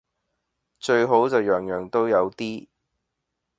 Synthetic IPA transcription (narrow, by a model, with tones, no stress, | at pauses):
t͡ʃɵ˧ɥɦo˨˥wt͡sɐ˨wjœː˨˩ŋjœː˨˩ŋt̪o˥wjɐ˨˧wt̪iː˥